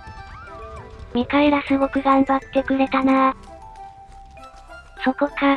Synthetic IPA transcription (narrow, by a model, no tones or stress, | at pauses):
mʲikaeɾasɨɡo̞kɯ̟ɡãmbat̪ːe̞kɯ̟ɾe̞t̪ana | so̞ko̞ka